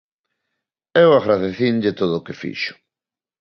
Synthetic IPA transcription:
ɛwaɣɾaðeθinʎɪt̪oðʊːkefḭʃʊ̥

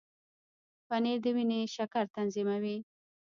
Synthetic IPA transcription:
paneɾd̪əwineʃakaɾt̪anzimawi

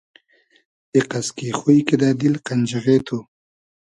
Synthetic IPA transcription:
eqaskixujked̪ad̪ilqand͡ʒaɣet̪ʰo

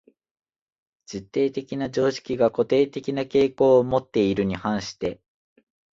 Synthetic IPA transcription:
d͡ʑit̪ːe̞ːt̪e̞kʲinad͡ʑo̞ːɕi̥kʲiɡako̞t̪e̞ːt̪e̞kʲinake̞ːko̞ːmo̞t̪ːe̞iɾɯ̟ɲ̟ihãɰ̃ɕi̥t̪e̞

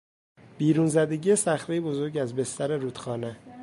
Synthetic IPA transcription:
b̥iːɾuːnzæd̪e̞ɟije̞sæxɾejebo̞zo̞ɾɡɟæzbe̞st̪æɾe̞ɾuːt̪xɒːne

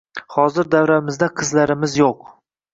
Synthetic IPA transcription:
hɒzɪɾd̪avɾamɪzd̪aqʰɨzlaɾɪmɪzjoq

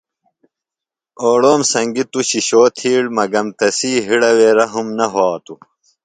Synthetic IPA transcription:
oːɽoːmsɐŋɡit̪uɕiɕoːt̪ʰiːɽmɐɡɐmt̪ɐsiːɦiɽɐweːɾɐɦumnɐɦoːt̪u

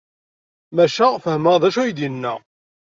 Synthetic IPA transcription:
mæʃæfəhməʁðæʃæjid̪jənːæ

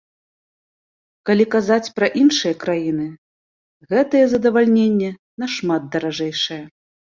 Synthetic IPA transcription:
kalʲikazat͡sʲpɾɐʔinʂɨjɐkɾajin̪ɨ | ɣɛt̪ɐjɛzɐd̪ɐvalʲnʲenʲːɛ | nɐʂmad̪̚d̪ɐɾaʐɛjʂɐjɛ

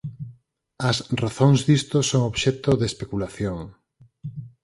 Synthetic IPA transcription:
ɐsraθoŋzðist̪osoŋoβʃɛt̪oðespekulaθjoŋ

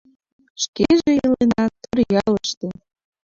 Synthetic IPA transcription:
ʃkeʒejəlenɑt̪ərjɑləʃt̪e

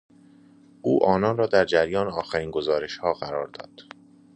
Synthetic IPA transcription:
ʔuːʔɒːnɒːnrɒːd̪æɾd͡ʒæɾjɒːneɒːxæɾiːnɡozɒːɾe̞ʃhɒːɢæɾɒːɾd̪ɒ̰ːd̪̥

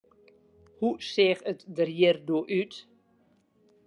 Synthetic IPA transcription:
huseːxətdərjiərdoəʔyt

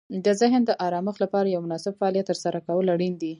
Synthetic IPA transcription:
d̪əzɪɦnd̪əʔɑɾɑməxlapɑɾajawmʊnɑsɪb̚faɑlijat̪ːəɾsaɾakawəlaɽind̪i

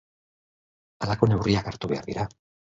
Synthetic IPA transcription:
alako̞ne̞wriakaɾt̪uβe̞a̰ɾðiɾa

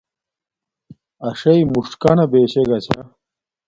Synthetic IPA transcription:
ɐʂɐimuʂʈkɐnɐbeːɕeɡɐt͡ɕʰa

